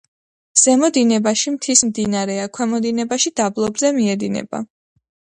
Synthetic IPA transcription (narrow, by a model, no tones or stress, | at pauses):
z̥ɛmɔd̪inɛbaʃimt̪ʰismd̪inaɾɛakʰwɛmɔd̪inɛbaʃid̪ablˠɔbzɛmiɛd̪inɛ̰ba̰